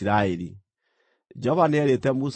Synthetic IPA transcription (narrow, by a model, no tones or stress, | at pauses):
ɾaeɾi | d͡ʒɔβanɛɾetɛmus